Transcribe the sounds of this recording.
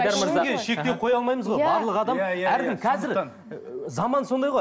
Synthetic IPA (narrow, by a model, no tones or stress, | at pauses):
ɾməɾɑɡʲeʃe̞k̚t̪ʲe̞qʰo̞jɑlˠmɑjməzʁojbbɑɾlˠəqɑd̪ɑmæɾd̪ɪmkʲʰɑzɪɾ | zɑmɑnso̞nd̪ɑjʁoj